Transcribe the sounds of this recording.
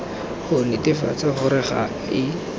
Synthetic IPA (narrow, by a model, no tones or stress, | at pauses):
χʊnɪtɪfa̰t͡saχʊɾɪχa̰ | ɪ